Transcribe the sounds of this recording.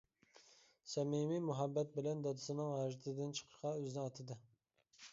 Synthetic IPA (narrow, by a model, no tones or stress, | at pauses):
sɛmimimuɦɑbːɛt̪̚bɪlɛnd̪ɑd̪ɪsɨnɨŋʁɑʒɪt̪ʰɨd̪ɪnt͡ʃʰə̥qʰə̥ʃqɑøzɪnɪɑt̪ʰɨd̪ɨ